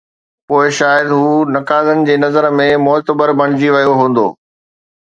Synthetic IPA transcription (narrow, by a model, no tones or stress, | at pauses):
poːɪʃaːjəd̪ɦuːnɐkaːlənɪ̆d͡ʑeːnɐzəɾmẽmʊɦt̪əbəɾbɐɽ̃ɪd͡ʑiʋɐjoɦũːn̆d̪o̰ː